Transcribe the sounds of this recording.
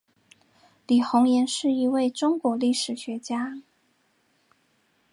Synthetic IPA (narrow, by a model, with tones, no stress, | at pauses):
li˨˩xʊ˧˥ŋjɛ˧˥nʂɻ̩˥˩i˧˥we˥˩ɪʈ͡ʂʊ˥ŋkwɔ˧˥li˥˩ʂɻ̩˨˩ɕɥɛ˧˥t͡ɕja˥